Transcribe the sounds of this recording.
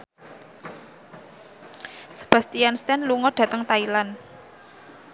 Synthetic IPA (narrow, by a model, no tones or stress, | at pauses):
sə̥b̥a̤st̪ijanst̪ɛnluŋɔɖ̥ä̤t̪əŋt̪ailan